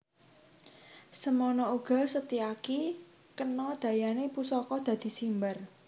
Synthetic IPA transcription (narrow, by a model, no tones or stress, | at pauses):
səmɔnɔuɡ̥ɔ̤sət̪iaki | kənɔd̪̥a̤janepusɔkɔd̪̥ä̤d̪̥i̤simbər